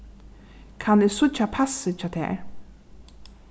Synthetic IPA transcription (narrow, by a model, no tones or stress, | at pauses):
kʰanɪsʊt͡ʃːapʰasɪt͡ʃʰat̪ʰæ̰ːɹ